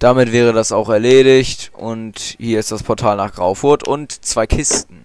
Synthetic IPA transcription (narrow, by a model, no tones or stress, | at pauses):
d̥amɪtv̥ɛːʁ̞ədasaʊxɛɐleːɾɪçtʔʊnthiːɐɪstd̥aspʰɔɐtʰaːlnaːχɡ̥ʁaʊfʊɐtʊ̰ntt͡sv̥aɪkʰɪstn̩